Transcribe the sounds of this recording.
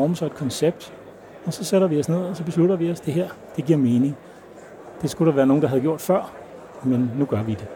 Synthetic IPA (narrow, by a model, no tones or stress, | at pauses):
ɒːməsɑ̈e̝d̥kʰɒ̽nseb̥̚d̥ | ɒ̽sɒ̽seɾɐʋiɒsne̝ð̞̰ˠɒ̽sɒ̽b̥e̝s̬luɾɐʋiɒ̽sd̥e̝ɦeɐ̰d̥e̝ɡ̥iɐ̰me̝ːne̝ŋ | d̥e̝sɡ̥ud̥ɑʋæːɐno̝ːŋnd̥ɑ̈ɦæð̩ˠɡjo̝ɐ̰d̥fɶɐ̰ | menːuɡ̥ɶɐʋid̥e̝